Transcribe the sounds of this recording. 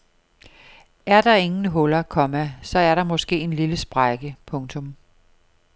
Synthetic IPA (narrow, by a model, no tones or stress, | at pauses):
æɐd̥ɑ̈e̝ŋn̩ɦɔ̽lɐkʰɒ̽mæsɒ̽æɐɾɑ̈mɒ̽sɡ̥e̝̰ːe̝nliləsb̥ʁɑɪɡ̥əpʰɔ̽ŋt͡sʰɔ̽m